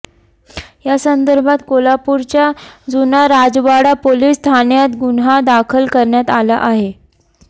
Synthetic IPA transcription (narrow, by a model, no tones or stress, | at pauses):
jasənd̪əɾbʱat̪kolapuɾt͡ɕjad͡zunaɾad͡zʋaɽapoliːst̪ʰanjat̪ɡunɦad̪akʰəlkəɾɳjat̪ala̰ʔaɦe